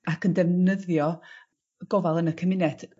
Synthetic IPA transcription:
akʰəndɛvnəðjɔ | ɡ̥ɔvalˠənəkʰəmɪnɛd̥

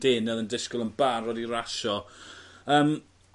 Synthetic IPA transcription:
d̥eːnɛðəndɪskʊlˠənbarɔdiɾaʃɔ | əːm

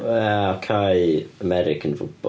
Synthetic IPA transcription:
aɔkʰajəmɛɾɪkʰə̃nfʊb̥ɔ̰

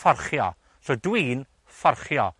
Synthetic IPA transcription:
fɔrχjɔ | sodwiːn | fɔrχjɔ

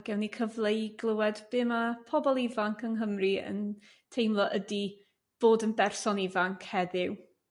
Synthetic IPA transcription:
ɡ̥ɛwnikʰəvlˠejɡlˠəwɛdb̥ɪːmapʰɔbɔlˠɪvaŋkʰənɦəmriə̰n | tʰejmlˠɔʔədi | b̥oːdənbɛrsɔnɪvaŋkʰhɛðɪw

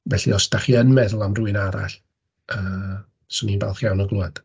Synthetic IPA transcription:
vɛɬḭɔsdaχiənmɛðʊlˠamruɨnaɾa̰ɬ | əː | sɔninbalˠχjawnɔɡlˠuad̥

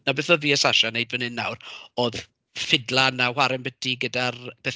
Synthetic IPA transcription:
nabɛθɔviːəsaʃanejdvənɨnːa̰wroːð | fɪdlˠanawaɾɪmbədiɡədarb̥ɛθ

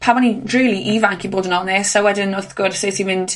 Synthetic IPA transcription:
pʰamɔnireːlˠiʔivaŋkʰiboːdənɔlˠneːsawɛdɪnʊθɡ̥ʊrseːtʰimɪnd̥

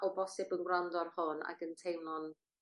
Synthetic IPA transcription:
ɔbɔsɪbənɡwrandɔrhʊna̰ɡəntʰejwnɔn

